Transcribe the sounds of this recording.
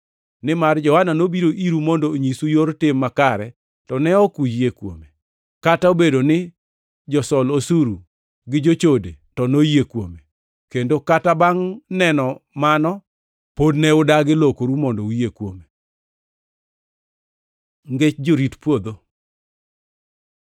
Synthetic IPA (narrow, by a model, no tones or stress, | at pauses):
nɪmard͡ʒɔhananobiɾoʔiɾumɔndoːɲisujoɾtɪmːakaɾɛ | tɔnɛɔkujekwo̰me | kataobedonɪ | d͡ʒɔsɔlosuɾu | ɡɪd͡ʒot͡ʃodḛtɔnojekwome | kendokatabaŋnɛnɔmanɔ | podnɛʊdaɡɪlokoɾumɔndoujekwome | ŋɡet͡ʃd͡ʒoɾitpwod̪o